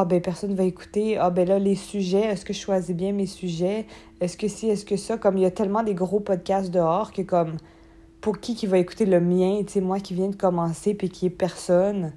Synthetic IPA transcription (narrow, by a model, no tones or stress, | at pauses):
abɛpɛʁsɔnvaeku̥t̪eabɛlalesyʒɛɛskəʃwazibjɛ̃mesyʒɛ | ɛskəsiɛskəsakɔmiljat̪ɛlmɑ̃d̪eɡʁopɔd̪̚kʲast̪̚d̪əɔːʁkəkɔm | puʁkʲikʲivaeku̥t̪eləmjɛ̃t͡semwakʲivjɛ̃d̪əkɔmɑ̃sepɥikʲiɛpɛʁsɔn